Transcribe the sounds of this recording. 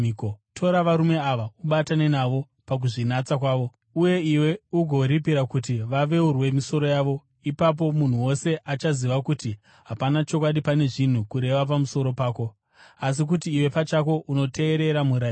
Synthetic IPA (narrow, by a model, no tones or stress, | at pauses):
kotʰo̞ɾaʋaɾume̞aʋauɓatanenaʋo̞ | pak̬uʐinat͡sakwaːʋo̞ | uje̞iwe̞uɡʱo̞ɾipiɾakutiʋaʋe̞urwe̞miso̞ɾo̞jaʋo̞ | ipap̬o̞mun̤uwo̞se̞ʔat͡ʃaziʋakuti | ɦapanat͡ʃo̞kwaɗipane̞ʐin̤ukuɾe̞ʋap̬amuso̞ɾo̞paːko̞ | as̬ik̬utiːwe̞pat͡ʃak̬o̞ʔuno̞te̞ːɾe̞ɾamuɾai